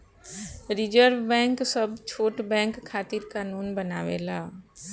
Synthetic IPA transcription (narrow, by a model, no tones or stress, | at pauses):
ɾɪd͡ʒəɾʋbɛ̃ːŋksəbt͡ʃʰoːʈbɛ̃ːŋkʰːaːt̪ɪɾkaːnuːnbənaːʋḛːlaː